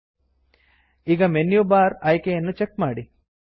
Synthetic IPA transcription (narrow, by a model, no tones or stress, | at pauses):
iɡɐmenjubaːɾɐjkejɐnːut͡ʃekmaːɽi